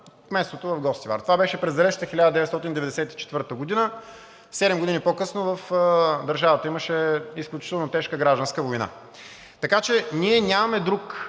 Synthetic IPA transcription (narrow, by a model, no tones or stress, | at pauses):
kmɛst̪ot̪ovɐvɡɔst̪iva̰ɾt̪ovabɛʃɛpɾɛzd̪ɐlɛʃt̪əxilʲad̪əd̪ɛvɛt̪st̪ɔt̪ind̪ɛvɛd̪ɛsɛt̪i̥t͡ʃɛ̥t̪vɤɾt̪əɡod̪inə | sɛd̪ɛmɡod̪inipokɤsnovɐfd̪əɾʒavət̪əiməʃɛisklʲut͡ʃit̪ɛlˠnot̪ɛʃkəɡɾaʒd̪ənskəvojna̰ | t̪ɐkat͡ʃɛnʲiɛnʲamɐmɛd̪ɾuk